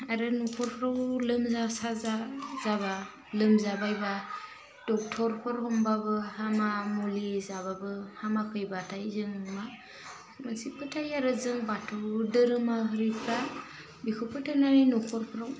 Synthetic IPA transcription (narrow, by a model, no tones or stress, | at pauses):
aɾɯnɔkʰɔɾpʰɾawlɯmzasazazaba | lɯmzabajba | d̥ɔk̚tʰɔɾpʰɯɾhɔmbabɯhamamulizaβabɯhamakʰɯjbatʰajzɯŋma | mansipʰɯtʰajaɾɯzɯŋbatʰɯdɯɾɯmaɦɯɾipʰa | bikʰɯpʰɯtʰanaɾinɔkʰɔɾpʰɯɾaw